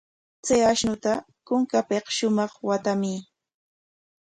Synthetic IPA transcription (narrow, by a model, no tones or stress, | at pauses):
t͡sajaʃnʊt̪a | kʊŋkapeqʃʊmɑχwat̪amɪ